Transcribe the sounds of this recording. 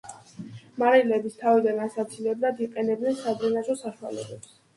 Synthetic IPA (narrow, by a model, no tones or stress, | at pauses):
maɾilɛbist̪ʰavid̪anasat̪sʰilɛblad̪iqʼɛnɛb̚dnɛnsad̪ɾɛnazɔsaʃuwa̰lɛ̰bɛps